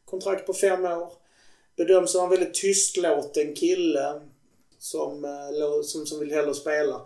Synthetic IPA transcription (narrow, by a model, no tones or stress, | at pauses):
kʰʊnt̪ʰɾɑkt̪̚pʰɔfɛmːoːʁ | b̥əd̪œmːsɔmɑnʋɛlːət̪ʰʏskloːt̪əɛnkʰɪlːə | sɔmlosɔmsɔmʋɪlhɛlːəɾspeːla